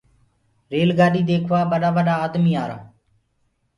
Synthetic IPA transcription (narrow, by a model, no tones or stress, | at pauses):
ɾeːlɡaːɗiːd̪eːkʰʋaːɓəɗaːʋəɗaːd̪miːaːɾa̰ː